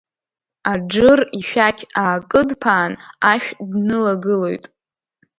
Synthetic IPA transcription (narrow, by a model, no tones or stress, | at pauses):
ad͡ʒɨriʃᶣakʲʰaːkʼɨdpʰaːnaʃᶣdnɨlaɡɨlojtʼ